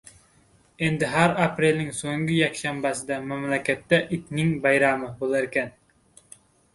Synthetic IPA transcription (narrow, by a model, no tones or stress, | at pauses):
end̪ɪɦæɾɑpɾelʲnɪŋsoŋɡʲijɛkʲʃɛmbæsɪd̪ɛmæmlɛkʲʰɛt̪ːɛʔit̪ʲnɪŋbɑjɾɑːmɨbolˠæɾkʲɛn